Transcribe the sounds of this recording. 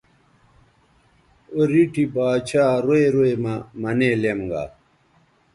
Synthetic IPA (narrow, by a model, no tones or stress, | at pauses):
oɾiʈʰibaːt͡ɕʰaːɾoeɾoemamɐneːlemɡa̰ː